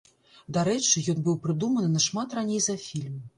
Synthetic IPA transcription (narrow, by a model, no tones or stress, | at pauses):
d̪aɾɛt͡ʂɨjɔnbɨwpɾɨd̪umɐnɨnɐʂmat̪ranʲejzɐfʲilʲm